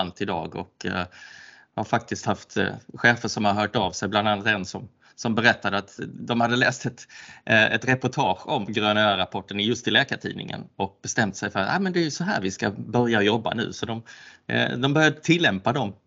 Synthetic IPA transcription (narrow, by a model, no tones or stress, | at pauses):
nt̪ɪd̪ɑ̰ːɡɔ̰k | haɾfak̚t̪ɪst̪haft̪ɧɛːfəʂɔmhaɾɦœːʈavsɛjbland̪anːat̪ɛnsɔm | sɔmbɛɾɛt̪ːad̪əat̪d̪ɔmhad̪ːəlɛːst̪ɛt̪ʔɛt̪ɾɛpʊʈʰɑːɧɔmɡɾøːnøːɾapʰɔʈːənɪjɵst̪ɪlɛːkaʈʰḭːnɪ̰ŋə̰nɔk̚bɛst̪ɛmt̪sɛjfœɾat̪ʔa̰mənd̪ɛæɾjɵsɔɦæ̰ːɾvɪskabœɾjaɔjɔbːa̰nʉ̟̰ːsɔd̪ɔm | d̪ɔmbœɾjad̪ət̪ʰɪlːɛmpad̪ɔm